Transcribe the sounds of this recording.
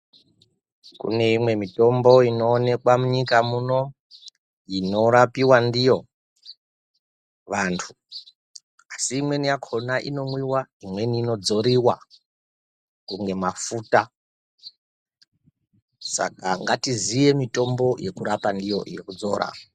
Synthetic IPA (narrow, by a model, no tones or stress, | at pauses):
kṵne̞imwe̞mito̞mbo̞ino̞ːne̞kwamuɲikamuno̞ | ino̞ɾapiwandijo̞ | ʋantʰu̥ | asiːmwe̞nijakʰo̞naʔino̞mwiwaimwe̞niːno̞d͡zo̞ɾiwa | kuŋɡe̞mafuta | sa̰kaŋɡatizije̞mito̞mbo̞je̞kuɾapandijo̞̰jekud͡zo̞ːɾa̰